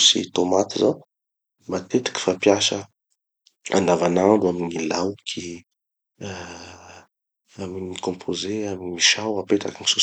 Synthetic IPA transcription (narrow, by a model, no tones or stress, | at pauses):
sḭt̪omat̪iza | mat̪et̪i̥kʲi̥fapjasə | a̰nd̪avanaɳɖ͡ʐuaminilawkʰi | aminikɔ̃pʰozeaminiiʃawapet̪a̰kinisu